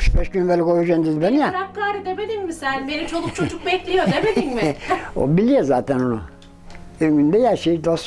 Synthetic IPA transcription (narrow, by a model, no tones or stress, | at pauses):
y̥ʃbɛʃɟynbelʲikojyd͡ʒend̪izbenijaɾap̚kaːɾid̪ebed̪inmisænbenit͡ʃʰo̞lˠuk̚t͡ʃʰod͡ʒuk̚bɛclʲijod̪ebed̪inmio̰bilʲijozaːt̪ʰænonṵ | øɡynd̪ɛjæɾʃejid̪ost̪